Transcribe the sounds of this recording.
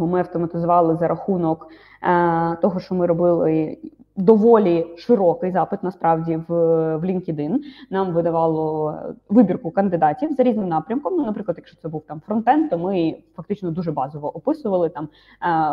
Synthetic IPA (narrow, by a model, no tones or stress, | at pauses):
ɔmɪɐwt̪ɔmɐt̪ɪzʊʋɑlˠɪzɐɾʔɐxunɔk | t̪ɔɦɔʃt͡ʃɔmɪɾɔbɪlˠɪ | d̪ɔʋɔlʲiʃɪɾɔkɪjzɑpɪt̪nɐspɾɑwdʲiʋʋlʲinkʲid̪ɪnnɑmʋɪd̪ɐʋɑlˠɔʋɪbʲirkʊkɐnd̪ɪd̪ɑtʲiwzɐɾʲiznɪmnɑpɾʲɐmkɔmnunɐpɾɪklˠɐd̪jɐkʃt͡ʃɔ̥t̪sɛbuwt̪ɑmfɾɔnt̪ɛnt̪ːɔmɪfɐk̚t̪ɪt͡ʃnɔd̪uʒɛbɑzɔʋɔʔɔpɪsʊʋɐlˠɪt̪ɑm